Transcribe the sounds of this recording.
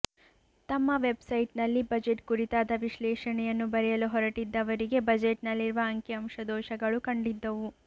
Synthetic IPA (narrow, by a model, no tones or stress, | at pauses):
t̪ɐmːɐʋe̞bsɐjʈnɐlːibɐd͡ʒeʈkuɾit̪aːd̪ɐʋiʃlɛːʂɐɳɛjɐnːubɐɾɛjɐluɦɔɾɐʈid̪ːɐʋɐɾiɡe̞bɐd͡ʒeʈnɐlːiɾuʋɐːŋkjɐɐmʂɐd̪ɔːʃɐɡɐɭukɐɳɖid̪ːɐʋu